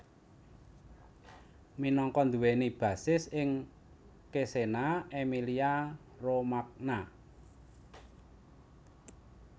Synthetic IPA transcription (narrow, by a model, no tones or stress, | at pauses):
minɔŋkɔnd̪uwenib̥ä̤sɪsɪŋ | kesenaemilia | romak̚na